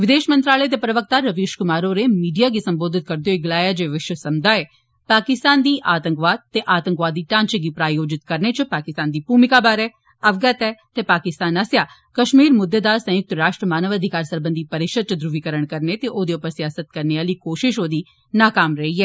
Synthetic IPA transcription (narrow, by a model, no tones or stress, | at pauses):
ʋɪd̪eːʃmə̃nt̪ɾaːləet̪̬epɾɐʋək̚t̪aɾɐʋeːʃkʊmaːɾoɾemiːɖijaɡisɐ̃mboːd̪ʱɪt̪̚kɐɾd̪ejoːiɡlaːjad͡ʒeːʋɪʃʋəsɐmd̪aɛː | paːkɪst̪aːnd̪iːʔaːt̪ə̃ŋkʋaːd̪̚t̪eʔaːt̪ə̃ŋkʋaːd̪iːʈãːnt͡ʃɡipɾaːjoːd͡ʒɪt̪kɐɾnet͡ʃɐpaːkɪst̪aːnd̪ipuːmɪkabaːɾɛː | ɐʋɡət̪ɛt̪epaːkɪst̪aːnasjaː | kɐʃmiːɾmʊd̪ːed̪aːsɐ̃jʊk̚t̪ɾaːʃʈɾəmaːnəʋɐd̪ʱɪkaːɾsɐɾbənd̪ipɐɾɪkʃəd̪̚t͡ʃɐd̪ɾʊʋikəɾəɽ̃kɐɾnet̪eʔoːd̪eʊpəɾsɪjaːsət̪̚kɐɾneaːlikoːʃɪʃoːd̪i | naːkaːmɾɐɦiɛː